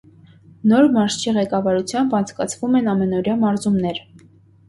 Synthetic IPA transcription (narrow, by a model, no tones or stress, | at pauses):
nɔɾmɑɾʃt͡ʃʰiʁɛkɑvɑɾut͡sʰjɑmbɑnt͡sʰkɑt͡sʰvumɛnɑmɛnɔɾjɑmɑɾzumnɛɾ